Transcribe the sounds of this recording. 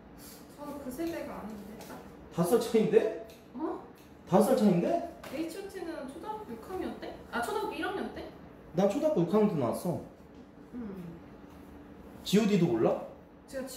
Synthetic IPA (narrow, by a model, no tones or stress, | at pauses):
t͡ɕʌkɯsʰedeɡaaɲindet͈a | tas͈ʰʌɭt͡ɕʰainde̞ | ʌ | tas̬͈ʰʌɭt͡ɕʰainde̞eit͡ɕʰʌt͡ɕʰinɯnt͡ɕʰodak̚pjokʰamiʌt̚t͈e̞at͡ɕʰodaɡiiɾʌmiʌt̚t͈e̞ | nat͡ɕʰodap̚p͈jokʰaŋtunas͈ʌ | t͡ɕiodidooɭːa | t͡ɕ